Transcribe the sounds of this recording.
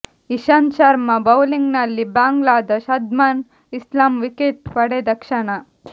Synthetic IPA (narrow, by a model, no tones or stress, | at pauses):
iʃɐnt͡ʃɐɾmɐbɐwliŋɡnɐlːibaːŋɡɭaːd̪ɐʃɐd̪maːn | islaːmʋikeʈpɐɽed̪ɐkʂɐɳɐ